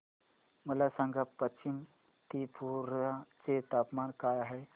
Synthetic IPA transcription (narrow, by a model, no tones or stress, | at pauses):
məlasãŋɡapːət͡ɕim | t̪ipʰuɾat͡set̪apmankajaɦe